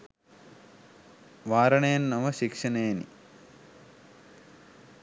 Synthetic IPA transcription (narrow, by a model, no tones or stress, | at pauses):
ʋaːɾɐɳeːɐnːɐʋɐʃikʂɐneːnḭ